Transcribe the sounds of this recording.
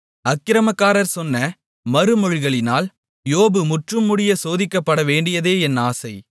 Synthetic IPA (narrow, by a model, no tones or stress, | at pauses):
ɐkːɪɾɐmɐkːaːɾɐɾsɔnːɐ | mɐɾɯmɔɻɪɣɐɭɪnaːl | joːbɯmʊʈrɯmːʊɽɪjɐsoːðɪkːɐpːɐɽɐʋeːɳɖɪjɐðeːɛnːaːsɐɪ